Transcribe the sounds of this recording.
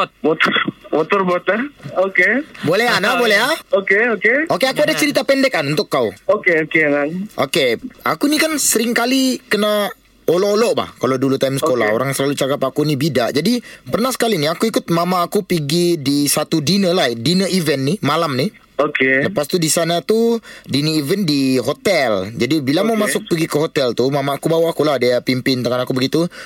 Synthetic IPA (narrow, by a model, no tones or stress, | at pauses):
t̪̚bot̪bot̪ɔrbɔt̪̚əokebolɛɦanabolɛɦaokeokeokeakuadat͡ʃəɾit̪apɛndɛk̚ːanunt̪ʊkːawokeokeŋaŋʔo̰kea̰kunikansəɾɪŋkalikəna | olɔʔolɔʔba̰hkaladulut̪amsəkola̰o̰ɾaŋsəlalut͡ʃakapakunibidaʔd͡ʒadipərnahsə̥kaliniakuikʊt̪̚mamaːkupiɡidisat̪udinəladinəivɛnːimalamni | okeləpast̪udisanat̪udinəivɛndiɦot̪ɛld͡ʒadibilamamasʊk̚piɡikəɦot̪ɛlt̪umamaːkubawahkuladaapimpɪnt̪aŋanakubəɡit̪u